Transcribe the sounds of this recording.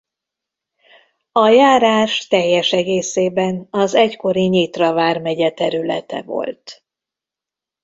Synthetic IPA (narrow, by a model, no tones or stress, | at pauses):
ɒjaːɾaːʃt̪ɛjːɛʃɛɡeːseːbɛnɒzɛcko̞ɾiɲiːt̪rɒvaːrmɛɟɛt̪ɛɾylɛ̰t̪ɛ̰vo̞̰lt̪